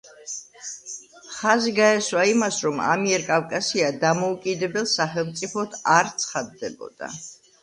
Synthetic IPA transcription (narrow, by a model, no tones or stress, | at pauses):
χaziɡaɛswaimasɾɔma̰miɛɾkʼavkʼasiad̪amɔukʼid̪ɛbɛlˠsaχɛlˠmt̪sʼipʰɔt̪ʰaɾt̪sʰχad̪ːɛbɔ̰d̪̥a̰